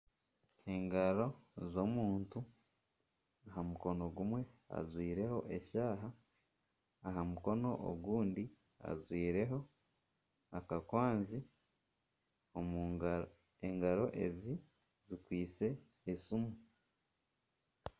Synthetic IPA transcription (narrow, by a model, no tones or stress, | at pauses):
e̞ŋɡaɾo̞zomuːntu | aɦamuko̞no̞ɡumwe̞a̰zwiːɾe̞ho̞ʔe̞ʃaːɦa | ɦamuko̞no̞ʔo̰ɡuːndi | a̰zwiːɾe̞ɦo̞ | akakwaːnzi | om | eŋɡaɾo̞ʔe̞zi | zikwiːt͡se̞ː | sumu